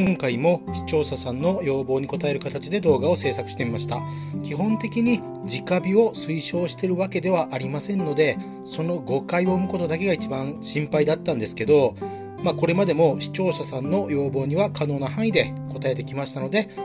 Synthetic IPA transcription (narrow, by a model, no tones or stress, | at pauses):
kõŋkaimo̞ɕi̥t͡ɕo̞ːɕasãnːo̞jo̞ːbo̞ːɲ̟iko̞t̪ae̞ɾɯ̟kat̪at͡ɕid̪e̞d̪o̞ːɡao̞se̞ːsakɯ̟̥ɕi̥t̪emimaɕi̥t̪a̰ | kʲiɦõ̞nt̪e̞kʲiɲ̟i | d͡ʑikabʲiosɨiɕo̞ːɕi̥t̪e̞ɾɯ̟βake̞d̪e̞βaʔaɾʲimasẽ̞nːo̞d̪e̞ | so̞no̞ɡo̞kaio̞ːmɯ̟ko̞t̪o̞d̪ake̞ɡait͡ɕibãɰ̃ɕĩmpaid̪at̪ːãnd̪e̞sɨ̥ke̞d̪o̞ | mako̞ɾe̞mad̪e̞mo̞ɕi̥t͡ɕo̞ːɕasãnːo̞jo̞ːbo̞ːɲ̟iβakano̞ːnoɦãɰ̃id̪e̞ko̞t̪ae̞t̪e̞kʲimaɕi̥t̪ano̞d̪e̞